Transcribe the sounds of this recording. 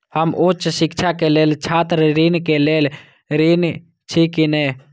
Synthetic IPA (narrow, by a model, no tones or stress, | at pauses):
həmʔut͡ʃsɪkt͡ʃʰakeleːlt͡ʃʰaːt̪ɾɾinkeleːl | ɾin | t͡ʃʰikineː